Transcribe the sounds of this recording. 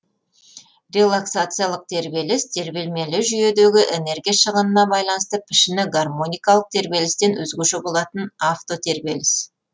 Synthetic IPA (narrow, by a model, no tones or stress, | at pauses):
rʲe̞lˠaksat̪sɨjalˠəq̚t̪ʰe̞ɾbe̞lɪst̪ʰe̞ɾbe̞lme̞lɪʒʏje̞d̪e̞ɡʲɪʔene̞rɡʲijaʃəʁənənɑbɑjlˠɑnəst̪əpʰɪʃɪnɪɡarmo̞nʲijkɑlˠəq̚t̪ʰe̞ɾbe̞lɪst̪e̞nwɵzɡʲeʃebo̞lˠɑt̪ənaft̪o̞t̪ʰe̞ɾbe̞lɪs